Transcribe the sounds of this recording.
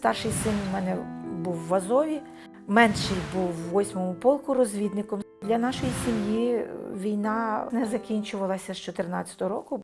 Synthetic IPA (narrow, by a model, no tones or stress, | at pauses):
st̪ɑrʃɪjsɪnmɛnɛbuwːɐzɔʋʲi | mɛnʃɪjbuwːɔsʲmɔmʊpɔlˠkʊɾɔzʲʋʲid̪nɪkɔmd̪lʲɐnɑʃɔjisʲimjiʋʲijnɑnɛzɐkʲinʲt͡ʃʊʋɐlˠɐsʲɐʃt͡ʃɔt̪ernɑt͡sʲːɐ̥t̪ɔɦɔɾɔkʊ